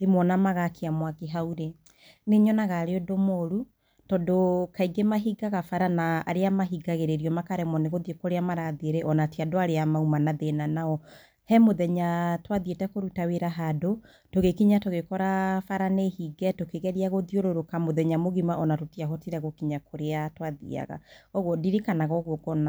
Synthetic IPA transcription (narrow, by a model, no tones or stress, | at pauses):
emwɔnamaɣakeamwakeɦauɾe | neɲɔnaɣaɾeodomoɾu | tɔdokaiɡemaɦiɡaɣafaɾana̰ːɾeamaɦiɡaɣeɾeɾiɔmakaɾɛmwɔneɣoðiokoɾeamaɾaðeɾeʔɔnatiadoaɾeamaumanaðenanaɔ | hɛmoðɛɲatwaðietɛkoɾutaweɾaɦado | toɣekiɲatoɣekɔɾafaɾanehiɡɛtokeɣɛɾiaɣoðioɾoɾokamoðɛɲamoɣimaʔɔnatotiaɦɔtiɾɛɣokiɲakʰoɾeatwaðḭa̰ɣa̰ɔɣodiɾikanaɣɔɣoɡɔna